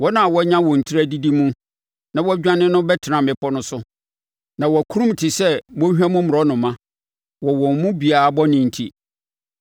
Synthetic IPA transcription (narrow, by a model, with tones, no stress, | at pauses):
wɔ˦nã˨a˨wɔ˦ɲã˦wɔ̃˨n̩˨tʰi˦ɾæ˦˨di˦di˦mʊ̃˦ | nã˨wɔ˦æ˦d͡ʑᶣã˦nɪ̃˦nʊ̃˦bɛ˦tʰɪ˨nã˨mɪ̃˨pʰɔ˦nʊ̃˦sʊ˦ | nã˨wɔ˨æ˨kʰu˦ɾũ˦m˨tʰɪ˨sɛ˦mɔ˦ɛ˦mʊ̃˦mʊ˨ɾɔ˦nʊ̃˨mã˦ | wɔ˨wɔ̃˨m˨mʊ̃˦bi˨a˨bɔ˦nɪ̃˨n̩˨tʰi˦